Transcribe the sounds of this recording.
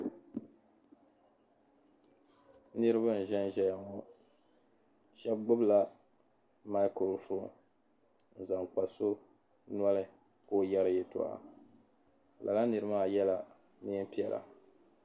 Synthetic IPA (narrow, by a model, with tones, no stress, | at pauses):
nɨ˦ɾɨ˦βɨ˦n̩˨ʒɛ˦n˦ʒɛ˨ja˨ŋo˦ | ʃɛ˦b̚ɡ͡bʊ˦bla˨ | ma˦ɪ˦ko˨lfo˦ | n̩˨za˨ŋk͡pa˨so˦ | nwa˦lɨ˦ | koː˦˨jɛ˦ɾɨ˦jɛ˦tṵ˨ʔa̰˨ | la̰˨la˦nɨ˨ɾɨ˦maː˦˨jɛ˦la˨ | ni˦m˦pi˦ɛ˨lʔa̰˨